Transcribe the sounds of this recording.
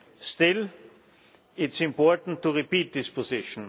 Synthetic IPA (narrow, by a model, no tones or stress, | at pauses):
stɪl | ɪtsɪ̃mpɔɐtn̩tʰːuʁipiːt̚d̥̪ɪsposɪʃn